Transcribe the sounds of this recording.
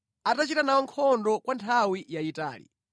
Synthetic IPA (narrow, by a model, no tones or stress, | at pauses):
atat͡ʃitanawɔŋkʰɔndɔkwantʰawijaita̰ːlḭ